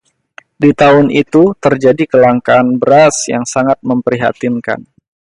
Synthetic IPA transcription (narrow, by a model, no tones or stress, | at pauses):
dit̪aʊnit̪ut̪ərd͡ʒadikəlaŋkaːnbəɾasja̰ŋsaŋat̪̚məmpəɾiɦa̰t̪inka̰n